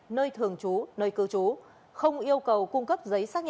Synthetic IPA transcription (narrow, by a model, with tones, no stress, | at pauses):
nəː˧jt̪ʰɨ˨˩əŋt͡ɕu˨˦nəː˧jkɨ˨˦t͡ɕu˨˦ | xə˧wŋ͡mʔi˧əwkə˨˩wkʊ˧ŋ͡mkə˦˥p̚zə˨˦jsaː˦˥k̚ɲ